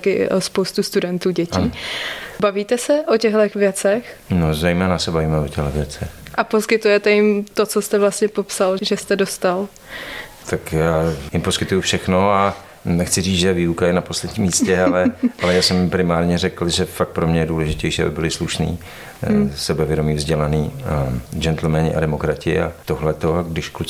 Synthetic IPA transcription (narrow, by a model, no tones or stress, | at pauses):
kɪʔospowst̪ust̪udɛnt̪uːɟɛciːbaviːt̪ɛsɛʔocɛɣlɛxvjɛt͡sɛxnozɛjmɛːnasɛbaviːmɛocɛɣlɛvjɛt͡sɛxʔaposkɪt̪ujɛt̪ɛjɪmt̪o̞t͡sost̪ɛvlast̪ɲɛpo̞psalʒɛst̪ɛdo̞st̪al | t̪ʰakjaːjɪmpo̞skɪt̪ujufʃɛxno̞a | nɛxt͡sɪriːd͡zʒɛviːukajɛnaposlɛdɲiːmiːscɛalɛʔalɛjaːsɛmpɾɪmaːɾɲɛrɛkl̩ʒɛfak̚t̪pɾomɲɛjɛduːlɛʒɪcɛjʃiːa̰bɪbɪlɪsluʃnḭː | sɛbɛvjɛdomiːvzɟɛlaniː | d͡ʒɛnt̪l̩mɛnɪʔa̰dɛmokɾacɪ̰a̰t̪oɦlɛt̪o̞ɡdɪʃklu